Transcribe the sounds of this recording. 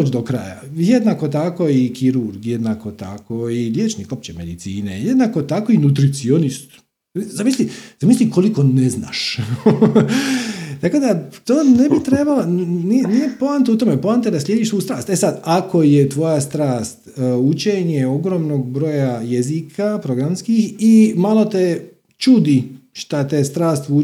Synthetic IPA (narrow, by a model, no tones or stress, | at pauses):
ot͡ʃd̪okɾa̰ja̰jed̪naːko̞t̪ako̞ikiɾuɾɡjed̪nako̞t̪a̰koilʲjeːt͡ʃnikop̚t͡ʃeme̞d̪it̪siːnḛjed̪naːko̞t̪akoinut̪ɾit̪sio̞nist̪ | zamislizamislikoliko̞nezna̰ːʃ | t̪akod̪at̪oːnebit̪ɾebaloninijepoant̪eut̪omepoant̪ed̪aslʲje̞d̪iʃsʋuːust̪ɾaːst̪esad̪akʰo̞jet̪ʋo̞jast̪ɾaːst̪ut͡ʃeɲeo̞ɡɾo̞ːmnoɡ̚bɾo̞jajezikʰapɾo̞ɡɾamskiximalo̞t̪e | t͡ʃud̪iʃt̪at̪est̪ɾaːst̪u